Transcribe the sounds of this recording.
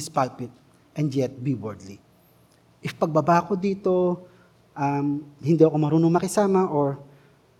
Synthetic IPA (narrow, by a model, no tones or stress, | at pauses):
ɪspalpɪt̪̚ | ʔɛnd̪jɛt̪̚biwɛɹd̪li | ʔɪfpɐɡ̚bɐbaːko̞d̪iːt̪o̞ | ʔɐmhɪnd̪iɐko̞mɐɾuːnoŋmɐkɪsaːmɐʔoɹ